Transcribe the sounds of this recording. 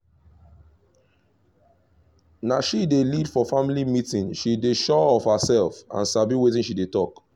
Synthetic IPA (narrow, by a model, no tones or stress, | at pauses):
naʃidelidfɔfamilimitĩnʃideʃɔɔvhasɛlfã̰nsabiwetĩnʃidetɔk